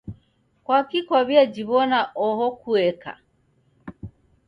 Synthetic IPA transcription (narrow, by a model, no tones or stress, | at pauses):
kwakikwaβjad͡ʒiβɔnaʔɔhɔkuɛka̰